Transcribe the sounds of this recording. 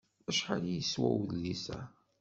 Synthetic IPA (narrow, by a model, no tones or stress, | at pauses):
æʃħalijəswæwlːisæ̰